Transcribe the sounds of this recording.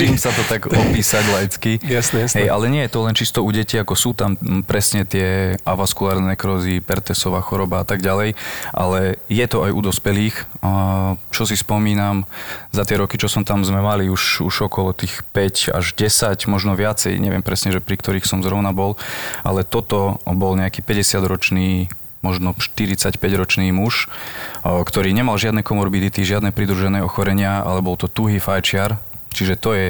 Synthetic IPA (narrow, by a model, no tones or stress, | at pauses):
imsat̪ɔt̪aɡɔpiːsaɟlajt͡skisɦɛjalɛɲɪɛjɛt̪ɔlɛnt͡ʃist̪ɔuɟɛciːakɔsuːt̪ampɾɛsɲɛt̪ɪɛʔa̰ʋaskulaːɾnɛkɾɔzipɛɾt̪ɛsɔʋaːxɔɾɔbaat̪aɡɟalɛjʔa̰lɛjɛt̪ɔajʔṵd̪ɔspɛliːx | t͡ʃɔsispɔmiːnamzat̪ɪɛɾɔkit͡ʃɔsɔmt̪amzmɛmaliuʃṵʒɔkɔlɔt̪iːxpɛca̰ʒɟɛsaɟmɔʒnɔʋɪat͡sɛ̰jɲʔɛ̰ʋɪɛ̰mpɾɛsɲɛʒɛpɾikt̪ɔɾiːxsɔmzɾɔʊnabɔlʔa̰lɛt̪ɔt̪ɔbɔlɲɛakiːpɛɟɛsɪad̪ɾɔt͡ʃniː | mɔʒnɔʃt̪iɾit͡sacpɛɟɾɔt͡ʃniːmuʃ | kt̪ɔɾiːɲɛmalʒɪad̪nɛkɔmɔɾbid̪it̪iʒɪad̪nɛːpɾid̪ɾuʒɛnɛːɔxɔɾɛɲɪaa̰lɛbɔlt̪ɔt̪uɦiːfajt͡ʃɪaɾt͡ʃiʒɛt̪ɔjɛ